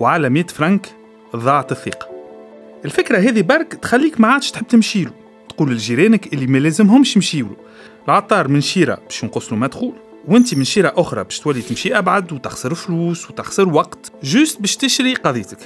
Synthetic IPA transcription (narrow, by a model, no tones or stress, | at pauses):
wʕalæmiːt̪fɾɑŋk | ðˤɑʕt̪ɨθːḭːqɑ̥ | ʔɪlfɪkɾaɦɛːðibɑɾˤkt̪xælːiːkmaʕaːd̪əʃt̪ħəb̚ːt̪əmʃiːlu | t̪quːlɪlʒiɾɛːnəkʔɪlːimælɛːzəmɦʊmʃmʃiːwlṵ | lʕɑt̪ˤːɑːɾˤmɪnʃiːɾɑ̰b̥ɛːʃnqʊsːlumæd̪xuːl | wɪnt̪̬imɪnʃiːɾɑʔʊxɾˤɑ̰bɛːʃt̪wælːit̪ɪmʃiʔæbʕad̪wt̪ɑxsəɾɪlfluːswt̪ɑxsəɾwɑqt̪ʒʊst̪̚bɛːʃt̪ɪʃɾiqɑðˤijːt̪ək